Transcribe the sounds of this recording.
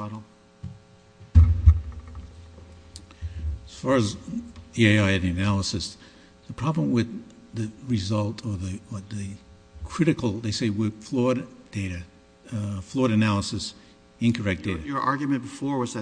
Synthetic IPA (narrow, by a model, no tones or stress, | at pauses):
ʌɾl̩ˠ | əz̥fɑɹɨzieɪaɪɨɾɨnælˠəsɨs | ðəpʰɹ̥ɑblə̃mwɪð | ɨɹɨzʌlˠtʰə˞ðɨðɨ | kʰɹ̥ɪɾɨkl̩ˠðeɪseɪwɪð̥flɔɹdd̥eɪɾɨ | flɔɹɾɨnælˠəsɨs | ɨ̃nkʰə˞ɛk̚d̥eɪɾɨə˞ʔɑɹɡjmɨ̃nb̥əfɔɹwʌzɨ